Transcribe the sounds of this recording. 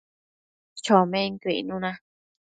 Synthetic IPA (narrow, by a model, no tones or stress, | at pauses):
t͡ʃomẽŋkʷḭnũnã